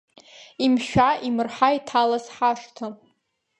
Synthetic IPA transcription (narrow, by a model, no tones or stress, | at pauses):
imʃᶣaʔimɨrħaitʰalasħaʂtʰa